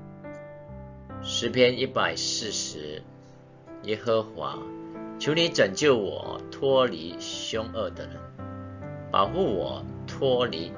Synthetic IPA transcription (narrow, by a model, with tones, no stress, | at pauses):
ʂɻ̩˧˥pʰjɛ˥ni˥pa˨˩ɪsɹ̩˥˩ʂɻ̩˧˦ | jɛ˧˥xə˦xwa̰˧˥˦t͡ɕʰjo˧˥ʊni˧˥˦ʈ͡ʂə˨˩ŋt͡ɕjo˥˩ʊwɔ̰˨˩t̪ʰwɔ˥li˧˥˦ɕjʊ˥ŋə˥˩t̪ə˧˨ə˦n | pɑ̰˨˩ʊxu˥˩wɔ̰˨˩ | t̪ʰwɔ˥li˨˥